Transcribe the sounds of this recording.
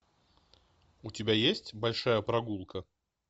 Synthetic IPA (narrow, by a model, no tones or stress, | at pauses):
ʊtʲɪbʲajesʲtʲbɐlʲʂajəpɾɐɡulˠkə